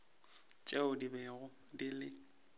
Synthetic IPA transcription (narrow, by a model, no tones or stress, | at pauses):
t͡ʃʼɛʊdibɛɣʊ | dilɪ